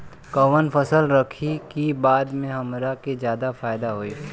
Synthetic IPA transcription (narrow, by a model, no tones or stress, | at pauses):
kɐʋənfɐsəlɾɐkʰikibaːd̪mẽɦɐmɾakezjaːd̪afaːɪd̪aɦoːiː